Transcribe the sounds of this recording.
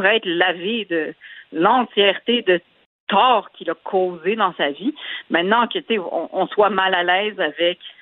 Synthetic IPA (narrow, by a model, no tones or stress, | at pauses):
ʁɛɛt̪laved̪əlɑ̃tt͡sjɛʁt̪ed̪ə | t̪ɔːʁkʲilakʰoːzed̪ɑ̃savimɛ̃t̪nɑ̃kət͡seɔ̰̃ʔɔ̃swamalalɛːzavɛkʲ